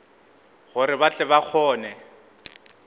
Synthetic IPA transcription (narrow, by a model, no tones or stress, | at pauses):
ɣʊɾɪbat͡ɬʼɛβak͡xʰɔːnɛ